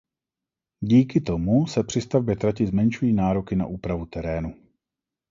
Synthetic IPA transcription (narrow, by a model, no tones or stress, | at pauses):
ɟiːkɪt̪o̞musɛpr̝̥ɪst̪avbjɛt̪ɾacɪzmɛnʃujiːnaːɾo̞kɪna̰ʔuːpɾavut̪ɛɾɛːnu